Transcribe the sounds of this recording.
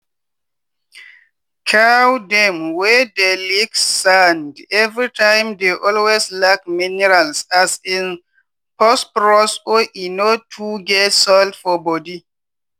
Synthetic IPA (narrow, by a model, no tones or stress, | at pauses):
kʰawdɛmwɛdeliksãndɛvɹitʰãjmdeʔɔlweslak̚minɛɹalsasĩn | pɔspɹɔsoʔinotʰuɡɛtsɔldfɔbɔdi